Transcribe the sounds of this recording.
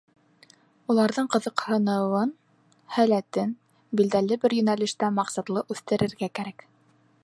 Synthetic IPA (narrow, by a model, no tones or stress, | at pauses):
ulˠɑɾðɤɴqɤ̆ðɤ̆qhɤ̆nɤ̆wɤn | hælæt̪ɘn | bild̪ælɘbɘɾjɵ̆nælɘ̆ʃt̪æmɑqsɑt̪lˠɤʔʉθt̪ɘ̆ɾɘ̆ɾɡækæɾæk